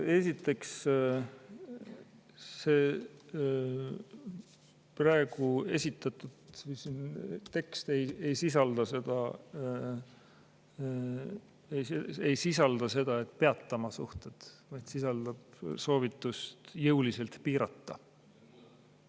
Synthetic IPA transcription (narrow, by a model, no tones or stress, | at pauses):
e̞sit̪ːˑe̞ks | se̞ː | prɑeɡ̥ue̞̰sʲit̪ːˑɑt̪ːˑud̪̥vɯjsint̪e̞kst̪e̞jejsisɑld̪̥ɑse̞d̪̥ɑ̰ | esejsisɑld̪̥ɑse̞d̪̥ɑe̞t̪ːˑpe̞ɑt̪ːɑmɑsuht̪e̞d̪̥vɑjt̪sisɑld̪̥ɑb̥̚so̞ːvit̪ːˑust̪jɤwlise̞lt̪piːɾɑt̪ːɑ